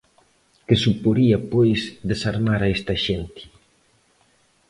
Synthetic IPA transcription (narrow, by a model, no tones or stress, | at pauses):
kɪsupoɾiɐpojsd̪esaɾmaɾaest̪aʃent̪i̥